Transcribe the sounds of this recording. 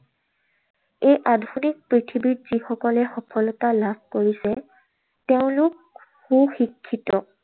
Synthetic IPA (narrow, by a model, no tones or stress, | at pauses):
ejʔadʱunik̚pɹitʰibitz̥ixɔkɔlɛxɔpʰɔlɔtalab̥̚ʱkoɹisɛ | tɛʊ̃lʊk̚ | xũxikʰːitɔ